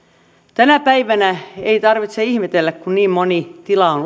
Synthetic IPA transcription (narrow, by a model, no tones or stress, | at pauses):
t̪ænæpæiʋænæeit̪ɑrʋit̪seihmet̪elːækkunniːmmonit̪ilɑon